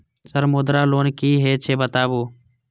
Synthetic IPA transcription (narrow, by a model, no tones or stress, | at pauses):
səɾmoːd̪ɾaːloːnkiːɦeːt͡ʃʰeːbət̪aːboː